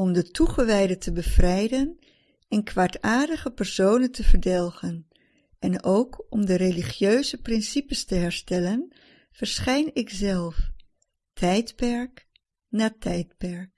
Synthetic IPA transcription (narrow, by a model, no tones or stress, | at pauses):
ɔmdətuχəʋɛjdətəbəv̥rɛjdən | ɪnkʋaːɹtaːɹdəχəpɛɹsownəntəvəɹdɛlˠχən | ɛnowkɔmdəreliχjøɥzəprɪnsipəstəɦɛɹstɛlən | v̥əɹsχɛjnɪkzɛlˠf | tʰɛjtpɛɹk | naːtɛjtpɛɹk̚